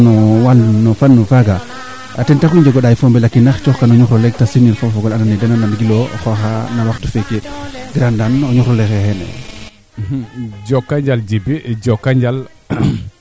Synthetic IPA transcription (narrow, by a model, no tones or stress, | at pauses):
nɔwalnɔfanːɔfaɡa | atɛntaxiɲd͡ʒɔɡɔɗajifɔmbɛlakːinaxt͡ʃɔxkanɔɲuxɾɔlɛɡ̚tasimilfɔfɔɡɔlananɛdɛnanamɡilɔxɔxanawaxtɔfekeɡɾandanɔɲuxɾɔlɛxɛxɛnɛ̰ | d͡ʒɔkːaɲd͡ʒald͡ʒibid͡ʒɔkːaɲd͡ʒal